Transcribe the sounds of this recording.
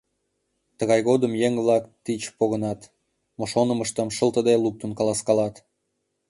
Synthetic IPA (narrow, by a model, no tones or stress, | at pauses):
t̪əɣɑjɣod̪əmjeŋβlɑkt̪it͡ɕpoɣə̆nɑt̪ | moʃonə̆məʃt̪ə̆mʃə̆lt̪ə̆d̪eluk̚t̪ənkɑlɑskɑlɑt̪